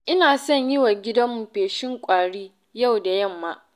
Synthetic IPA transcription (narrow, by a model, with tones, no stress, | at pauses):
ʔɪ˦naː˨sɐ˦˨ɲjɪ˦wa˨ɡʲɪ˦dɐ˦mːu˨ɸeː˨ʃɪ˦ŋkʷʼaː˨ɽiː˦ | ja˦˨wda˨jɐ˦˨mːaː˦ʔ